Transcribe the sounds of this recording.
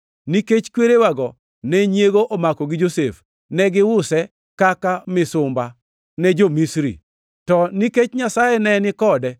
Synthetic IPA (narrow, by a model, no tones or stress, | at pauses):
niket͡ʃkweɾewaɡɔ | nɛɲeɡoʔomakɔɡɪd͡ʒosef | nɛɡɪwʊsɛ | kakamɪsʊmba | nɛd͡ʒomisɾḭ | tɔniket͡ʃɲasajɛnɛnɪkɔdɛ